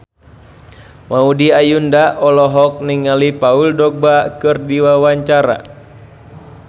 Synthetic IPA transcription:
maudiajundaʔɔlɔɦɔk̚niŋalipauldɔk̚bakɨrdiwawaɲt͡ʃaɾa̰

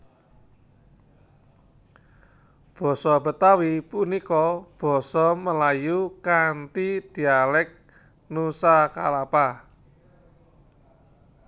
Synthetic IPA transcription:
b̥ɔ̤sɔb̥ə̤t̪awipunikɔb̥ɔ̤sɔməlajukant̪id̪̥i̤alɛk̚ | nusaka̰lapa

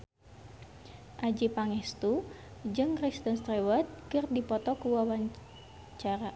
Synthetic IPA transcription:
ʔad͡ʒipaŋɛst̪ud͡ʒɨŋkɾist̪ənst̪ɾɛwət̪̚kɨrdipɔt̪ɔkuwawaɲ | t͡ʃaɾa

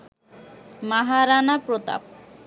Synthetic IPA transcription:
maɦaɾanapɾot̪a̰p̚

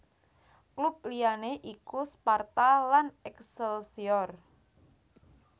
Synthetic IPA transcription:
klup̚lianeʔikuspart̪alanɛksəlsiɔr

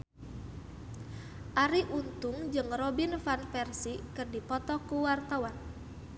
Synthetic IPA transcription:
ʔaɾiʔunt̪ʊŋd͡ʒɨŋrɔbinfanfɛrsikɨrdipɔt̪ɔkuwart̪awan

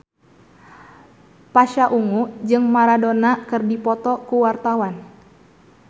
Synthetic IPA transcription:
paʃaʔuŋud͡ʒɨŋmaɾadɔnakɨrdipɔt̪ɔkuwart̪awan

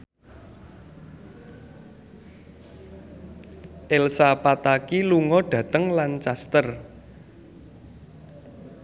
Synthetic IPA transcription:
ʔelsapat̪akiluŋɔɖ̥ä̤t̪əŋlant͡ʃast̪ər

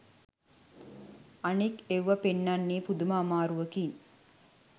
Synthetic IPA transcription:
ɐnikeʋʋɐpenːanːiːpud̪umaːmaːɾuʋəkin

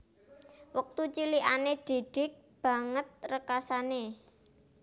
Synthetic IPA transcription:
wək̚t̪ut͡ʃiliʔaneɖ̥e̤ɖ̥ɪ̤k̚ | b̥ä̤ŋət̪̚rəkasane

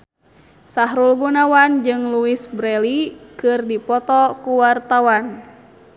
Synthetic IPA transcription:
saɦɾulɡunawand͡ʒɨŋluisbɾɛlikɨrdipɔt̪ɔkuwart̪awan

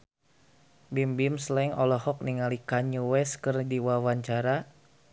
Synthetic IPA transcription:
bimbimslɛŋɔlɔhɔk̚niŋalikaɲuwɛskɨrdiwawaɲt͡ʃaɾa

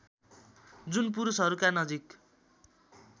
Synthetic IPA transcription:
d͡zunp̬uɾusɦʌɾukanʌd͡zik

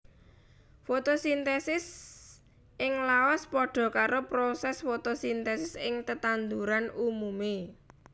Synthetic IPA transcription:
fot̪osint̪ɛsɪs | ɪŋlaɔspɔɖ̥ɔ̤kaɾopɾosɛsfot̪osint̪ɛsɪsɪŋt̪ət̪and̪uɾanumume

